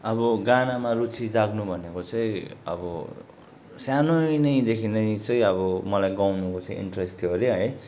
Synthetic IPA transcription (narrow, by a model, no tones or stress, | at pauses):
ʌbʌɡanamarut͡sʰid͡zaɡnubʱʌnekot͡sʌĩʌ̰bʌ | sjanonʌj̃d̪ekʰinʌj̃t͡sʌĩʌbʌmʌlajɡawnukot͡sʌ̃ĩḭɳʈresʈoɾeɦʌj